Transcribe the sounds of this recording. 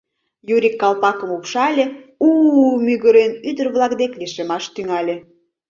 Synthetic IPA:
juɾʲikːɑlpɑkəmukʃɑlʲeumyɣəɾenyd̪ərβlɑkd̪eklʲiʃemɑʃt̪yŋɑlʲe

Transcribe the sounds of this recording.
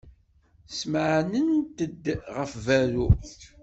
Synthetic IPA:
smʕnənt̪əd̪ːʁəfvæɾu

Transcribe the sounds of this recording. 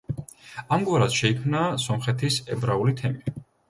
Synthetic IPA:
amɡwaɾasʃɛikʰmnasɔmχɛt̪ʰisɛbɾaulit̪ʰɛmi

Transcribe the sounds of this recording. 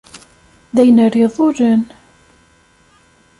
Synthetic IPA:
ðæjənərːiðˤʊɾən

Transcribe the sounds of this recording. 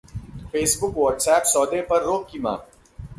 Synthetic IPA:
feːsbʊkʋɔːʈsɛːpsɔːd̪epɐɾːoːkkima̰ː

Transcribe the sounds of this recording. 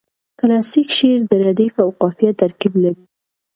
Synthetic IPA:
klɑsikʃeɾd̪əɾad̪ifawqɑfijat̪aɾkiblaɾi

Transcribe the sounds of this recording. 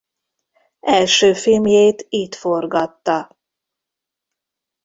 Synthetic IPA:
ɛlʃøːfilmjeːt̪iːt̪fo̞rɡɒt̪ːɒ

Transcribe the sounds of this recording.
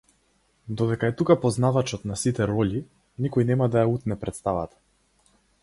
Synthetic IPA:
d̪ɔd̪ɛkaɛt̪ukapɔznavat͡ʃɔt̪nasit̪ɛɾɔʎi | nikɔjnɛmad̪ajaut̪nɛpɾɛt̪st̪ava̰t̪ḁ

